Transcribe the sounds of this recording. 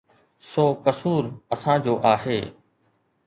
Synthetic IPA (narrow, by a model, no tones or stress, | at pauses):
soːkəsuːɾəsãːd͡ʑoːʔaːɦeː